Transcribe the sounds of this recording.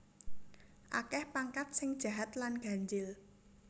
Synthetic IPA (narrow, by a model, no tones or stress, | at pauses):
ʔa̰kɛhpaŋkat̪̚sɪŋd̥ʒ̥a̤ɦat̪lanɡ̥a̤ɲd͡ʒɪl